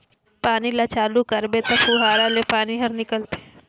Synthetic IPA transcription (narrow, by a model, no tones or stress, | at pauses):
paːnilat͡ʃaːlukɐɾbet̪ɐpʰuːɦaːɾalepaːniɦɐɾnɪkəlt̪e